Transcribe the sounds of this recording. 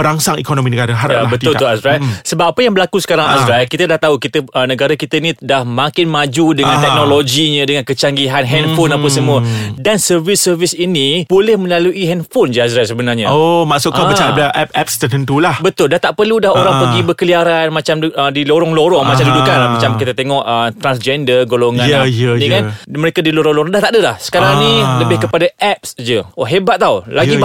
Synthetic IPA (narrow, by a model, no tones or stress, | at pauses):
bəɾaŋsaŋikonõmĩnəɡaɾaɦaɾaabət̪ʊluasɾasəbapapəjaŋbəlakusə̥kaɾaŋasɾalkit̪adaht̪aukit̪əənə̃ɡaɾakit̪ainĩdahmãŋkɪnmãd͡ʒudəŋãnt̪ɛknoloɡiɲə̃dəŋankət͡ʃaŋɡiɦanɦɛnfonapəsəmũədansərvɪsərvɪsinipolɛhmə̃laluʔiɦɛnfond͡ʒias̬ɾalsəbənarɲãomaʔsʊʔkaət͡ʃaaʔɛp̚ɛp̚st̪ət̪ənt̪ulahbət̪ʊldaht̪aʔpərludaɦoɾaŋpəɡibəkəliaɾanmat͡ʃamədiloɾɔŋloɾɔŋmat͡ʃamdudukanlamat͡ʃamkit̪at̪eŋɔʔət̪ɾansd͡ʒɛndərɡoloŋãnanikanməɾekadiloɾɔŋloɾɔŋdaht̪aʔdəlahsə̥kaɾaŋniləbɪhkəpadaʔɛp̚sd͡ʒəoɦebat̪̚ːaulaɡi